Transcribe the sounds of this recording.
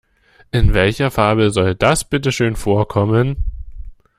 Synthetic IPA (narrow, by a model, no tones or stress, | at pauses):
ʔɪnvɛlçɐfaɐbəzɔld̥asb̥ɪtəʃøːnfoːɐkʰɔmən